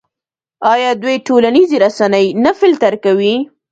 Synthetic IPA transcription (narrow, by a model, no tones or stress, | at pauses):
ɑjɑd̪wejʈolaniziɾasanəjnafɪlt̪aɾkawi